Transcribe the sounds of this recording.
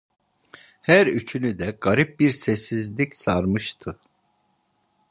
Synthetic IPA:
hæɾyt͡ʃʰynyd̪ɛɡ̥aɾip̚biɾsɛsːizlʲicsaɾmɯʃt̪ʰɯ

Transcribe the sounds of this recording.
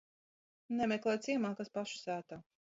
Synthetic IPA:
nɛmɛklˠɛːjt̪sʲiɛmaːkaspaʃu̥sæːt̪a

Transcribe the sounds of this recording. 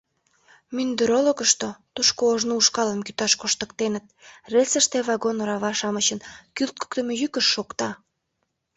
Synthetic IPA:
mynd̪eɾoloɣəʃt̪ot̪uʃkoːʒnouʃkɑləmkyt̪ɑʃkoʃt̪əkt̪enət̪̚resəʃt̪eβɑɣonoɾɑβɑʃɑmət͡ɕənkylt̪̚ku̥kt̪əmejykəʃːokt̪ɑ

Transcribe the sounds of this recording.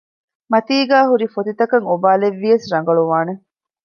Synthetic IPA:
mɐt̪iːɡæːɦuɾifot̪it̪ɐkɐŋobaːleʋːiɐsɾɐŋ̆ɡɐɭuʋaːne

